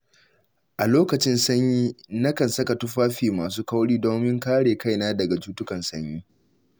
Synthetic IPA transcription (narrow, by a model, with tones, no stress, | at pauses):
ʔa˨loː˦kɐ˨t͡ʃɪ˦nsɐ˦ɲjiː˦nɐ˦kɐ˨nsɐ˦ka˨tʊ˦ɸaː˦ɸiː˨maː˨s̬uː˦ka˦wɽiː˦doː˦mɪ˦ŋkaː˦ɽeː˨ka˦˨jnaː˦dɐ˨ɡa˨t͡ʃuː˦tʊ˦kɐ˨nsɐ˦ɲjiː˦